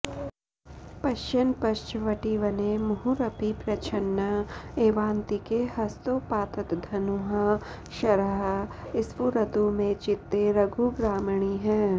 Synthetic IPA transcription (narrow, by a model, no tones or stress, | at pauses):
pɐʃt͡ʃənpɐʃt͡ʃʋɐʈiʋənemʊɦuɾɐpipɾɐt͡ʃʰɐnːəeːʋãːnt̪ikehɦɐst̪opaːt̪ət̪d̪ʱɐnuɦã | ʃɐɾəɦɪsʋuɾɐd̪umẽt͡ʃɪt̪ːeɾɐɡʱuɡɾaːmɳ̃iɦɛ̃ː